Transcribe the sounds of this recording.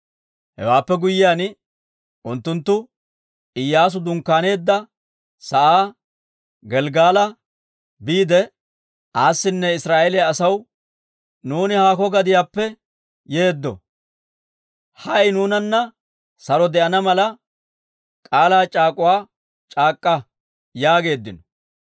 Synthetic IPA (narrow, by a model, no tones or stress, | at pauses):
hɛ̰waːpːɛɡʊjːɪjaːn | ʔʊnt̪ːʊnt̪ːʊ | ɪjːaːs̬ʊd̪ʊŋkːaːne̞ːd̪ːɐ | sɐʔaː | ɡɛlɡaːlɐ | biːd̪ɛ | ʔaːsːɪnːɛɪsɾaːʔɛlɪjaːsɐw | nuːnɪhaːkɔɡɐd̪ɪjaːpːɛ | je̞ːd̪ːɔ̰ | hɐjnuːnɐnːɐ | sɐɾɔd̪ɛʔɐnɐmɐlɐ | kʼaːlaːt͡ʃʼaːkʼʊwaː | t͡ʃʼaːkʼːɐ | jaːɡe̞ːd̪ːɪnɔ̥